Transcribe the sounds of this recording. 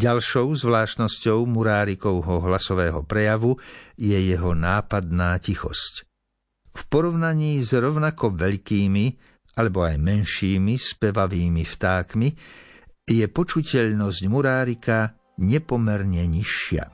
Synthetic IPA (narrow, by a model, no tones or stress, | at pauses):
ɟalʃɔʊzʋlaːʃt̪nɔscɔʊmuɾaːɾikɔʊɦɔɦlasɔʋɛːɦɔ̰pɾɛjaʋujɛjɛɦɔnaːpad̪naːcixɔ̰sc | fpɔɾɔʋnaɲiːzɾɔʊnakɔʋɛʎkiːmi | alɛbɔajmɛnʃiːmispɛʋaʋiːmift̪aːkmi | jɛpɔt͡ʃucɛʎnɔzɟmuɾaːɾika | ɲɛpɔmɛɾɲɛɲiʃɪa̰